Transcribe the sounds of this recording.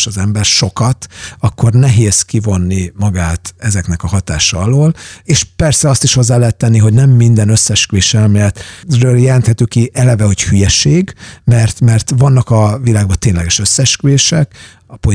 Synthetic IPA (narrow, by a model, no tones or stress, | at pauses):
ʃɒzɛmbɛrʃo̞kɒt̪ɒkːo̞rnɛɦeːzkivo̞nːimɒɡaːt̪ɛzɛknɛkɒhɒt̪aːʃɒɒloːleːʃpɛrsɛɒst̪iʃho̞zːaːlɛɦɛt̪ːɛnːiɦo̞ɟnɛmːind̪ɛnøsːɛʃkyʋeːʃɛlmɛt̪røːljɛlɛnt̪hɛt̪yːkiʔɛlɛvɛho̞chyjɛʃeːɡmɛrt̪mɛrt̪vɒnːɒkɒvilaːɡ̚bɒt̪eːɲlɛɡɛʃø̞sːɛʃkyeːʃɛk | ɒpo